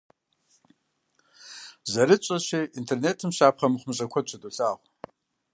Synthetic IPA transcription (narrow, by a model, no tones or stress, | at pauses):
zɐɾɨt͡ʃʷʼɐʃiːʔintʰerneːtʰɨmɕaːpχɐmɨχʷʊmɕʼɐkʷʰɔt͡ʃʷʰɐdʼoɬaːʁʷ